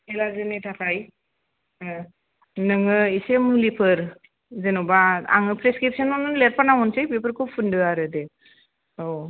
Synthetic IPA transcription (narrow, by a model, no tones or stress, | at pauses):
elazɯnetʰakʰaj | nɯŋɯisemulipʰɯɾ | zenubaa̰ŋɯpʰɾeskɾip̚sənɔnɯlet̚panawɔnsajpepʰɯɾkʰub̚pʰundɯaɾɯde | o